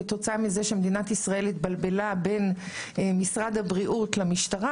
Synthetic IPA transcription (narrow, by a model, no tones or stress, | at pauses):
t̪o̞t͡saamizeʃemed̪inat̪isʁae̞lit̪balbe̞labe̞n | misʁad̪habʁiʔut̪lamiʃtaʁa